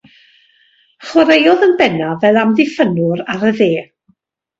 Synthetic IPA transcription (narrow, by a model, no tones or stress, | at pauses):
χwɔɾejɔðənbɛnavɛlˠamðɪfənʊɾaɾəðeː